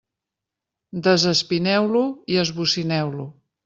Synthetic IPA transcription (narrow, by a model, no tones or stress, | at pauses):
d̪əzəspinɛwluiəzβusinɛwlu